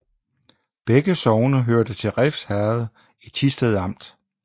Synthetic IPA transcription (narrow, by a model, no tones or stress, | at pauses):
b̥eɡ̥əsɒʊnəɦøɐd̥ət͡sʰe̝ʁɛfshæɐð̩ˠ | i̥t͡sʰisd̥eðˠɑ̈m̰d̥